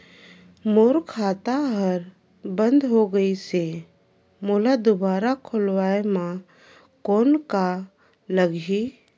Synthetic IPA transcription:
moːɾkʰaːt̪aɦəɾ | bə̃nd̪ɦoɡəise | moːlad̪ʊbaːɾakʰʊlwaːemã | koːnka | ləɡi

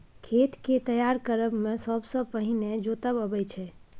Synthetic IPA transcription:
kʰet̪ket̪əjaɾkəɾəbmẽsəbsə̃pəɦined͡ʒot̪əbəbɛjt͡ʃʰɛ

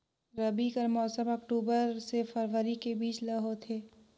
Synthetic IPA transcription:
ɾɐbikəɾmɔːsə̃mɔkʈuːbəɾsefəɾʋəɾikebiːt͡ʃlɐɦot̪ʰeː

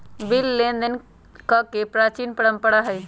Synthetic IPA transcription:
bɪlːẽnd̪ən | kakepɾaːt͡ʃiːnpəɽəmpəɽaɦəi

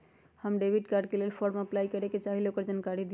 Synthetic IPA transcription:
həmɖebʱiɖkaɾɖ̚kelelpʰoɾmeəplajkəɾeket͡ʃaɦileokəɾd͡ʒankaɾid̪i

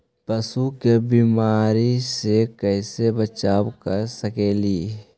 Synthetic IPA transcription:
pəsukebiːmaːɾisekɛɪsebət͡ʃaːwkəɾsəkeːliː

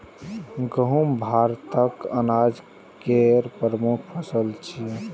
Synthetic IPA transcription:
ɡəɦumbʱaɾt̪əkənad͡ʒ | keɾpɾəmukʰpʰəsəlt͡ʃʰi

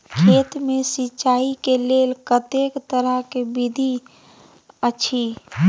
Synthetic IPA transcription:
kʰeːt̪mẽsit͡ʃaːikeleːlkət̪ekt̪əɾəkebid̪ʱi | ət͡ʃʰi

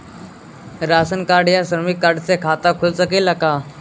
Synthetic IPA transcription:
ɾasənkaɖjasɾəmikːaɖt͡sekʰat̪akʰulsəkiːlːaka

